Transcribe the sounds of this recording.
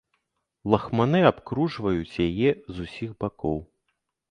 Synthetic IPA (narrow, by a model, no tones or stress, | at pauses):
lˠɐxmanɨapkɾuʐvɐjut͡sʲjajɛzusʲiɣbakɔw